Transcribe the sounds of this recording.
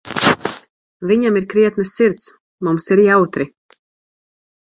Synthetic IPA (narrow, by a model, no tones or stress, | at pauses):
viɲamiɾkɾiɛt̪nɨsːiɾt̪s | mumsiɾjawt̪ɾi